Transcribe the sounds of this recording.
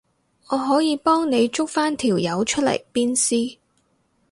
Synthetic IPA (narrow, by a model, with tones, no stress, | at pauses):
ŋɔː˨˧ɦɔː˨˥jiː˨˧pɔː˥ŋne˨˧jt͡ʃʊ˥k̚faː˥nt̪ʰiː˨˩wjɐ˨˧˥wt͡ʃʰɵ˥t̚lɐ̰˨˩jpiː˥nsiː˥